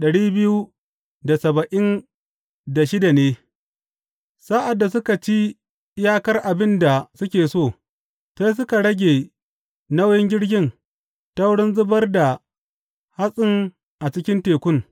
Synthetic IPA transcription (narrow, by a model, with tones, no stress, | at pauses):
ɗɐ˨ɽiː˦bɪ˦ju˦ | da˨sɐ˨bɐ˨ʔɪ˦n | da˨ʃɪ˦da˨neː˦ | sa˦ʔa˨dːa˨s̬ʊ˦ka˨t͡ʃi˦ | ɪ˦jaː˦kɐ˦rʔa˨bɪ˦nda˨sʊ˦kʲeː˨soː˦˨ | sa˦js̬ʊ˦ka˨ɽɐ˦ɡʲeː˨ | nɐ˦wjɪ˦ŋɡʲɪ˦ɽɡʲɪ˦n | tɐ˦wɽɪ˦nzʊ˦bɐ˦rda˨ | ha˦sʼɪ˦ŋ | ʔa˨t͡ʃɪ˦kʲɪ˦nteː˨kʷʊ˦ŋ